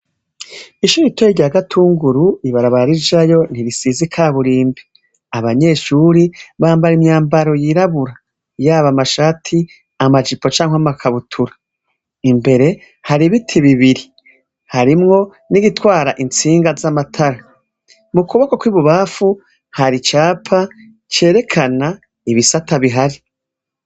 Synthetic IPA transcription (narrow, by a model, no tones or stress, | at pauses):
iʃuɾitojiɾɟaɡatʰuːŋɡuɾuiβaɾaβaɾaɾid͡ʒajo̞n̥iɾisizikʰaːβuɾiːmbi̥ | aβaɲe̞ʃuɾiβaːmbaɾimɲaːmbaɾo̞jiɾaβuɾa | jaːβamaʃaːtʰi | amad͡ʒipo̞t͡ʃaːŋhwamakʰaβutʰuɾḁ | imbe̞ɾe̞ | haɾiβitʰiβiβiɾi | haɾimŋo̞ | niɡitwaːɾaʔint͡siːŋɡazamatʰaɾa | mukuβakokwiːβuβafu | haɾit͡ʃaːpʰa | t͡ʃe̞ːɾe̞kʰana | iβisataβiɦaɾi